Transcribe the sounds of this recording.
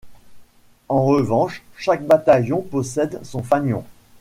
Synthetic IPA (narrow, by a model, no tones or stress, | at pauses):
ɑ̃ʁəvɑ̃ʃʃakbat̪ajɔ̃pɔsɛd̪sɔ̃faɲjɔ̰̃